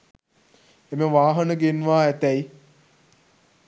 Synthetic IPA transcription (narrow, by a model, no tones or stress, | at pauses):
eməʋaːɦənəɡenʋaːæt̪ɛj